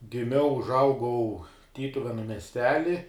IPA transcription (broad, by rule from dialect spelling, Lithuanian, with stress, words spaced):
ɡʲɪˈmʲɛʊ ʊʒˈɐʊɡɐʊ ˈtʲiːtʊʋʲɛnʊ mʲɛsʲˈtʲæːlʲɪ